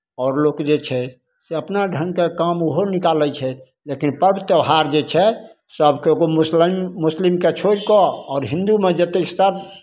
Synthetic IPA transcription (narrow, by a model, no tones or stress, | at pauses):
ɔːɾlokd͡ʒet͡ʃʰɛ | seəpnaɖʱəŋkekamoɦonikalɛt͡ʃʰɛ | lekinpəɾbət̪əwɦaɾd͡ʒet͡ʃʰɛ | səbkeoɡomuslimːuslimket͡ʃʰoɾkɔɔːɾɦĩnd̪umed͡ʒət̪ekst̪aɾ